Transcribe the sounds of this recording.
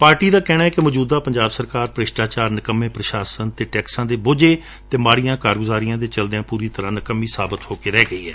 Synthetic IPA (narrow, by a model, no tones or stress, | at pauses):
paːɾʈiːd̪aːkɛːnaːɛːkɪmɔːd͡ʒuːd̪aːpəɲd͡ʒaːbsəɾkaːɾpɾɪʃʈaːt͡ʃaːɾnəkəmːeːpɾəʃaːsənt̪eːʈɛːksãːd̪eːboːd͡ʒeː | t̪eːmaːɽijãːkaːɾɡʊzaːɾɪjãːd̪eːt͡ʃəld̪eãːpuːɾiːt̪əɾãːnəkəmːiːsaːbət̪hoːkeːɾɛːɡəḭːɦɛ̰ː